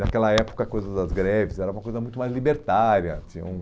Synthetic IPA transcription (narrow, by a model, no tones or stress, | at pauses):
nakɛlɐɛpo̥kɐkojzɐd̪ɐzɡɾɛvɪzɛɾɐũmɐkojzɐmũj̃t̪ʊmajzlibeɾt̪aɾjɐt͡ʃĩɲɐ̰̃ũ